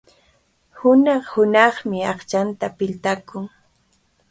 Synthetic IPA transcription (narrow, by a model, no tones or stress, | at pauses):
hʊnɑχhʊnɑχmɪɑχt͡ʃant̪apɪʎt̪akʊŋ